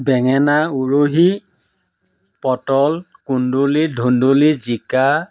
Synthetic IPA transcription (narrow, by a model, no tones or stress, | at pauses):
bɛŋɛnauɹoɦi | pɔtɔl | kundulidʱundulizika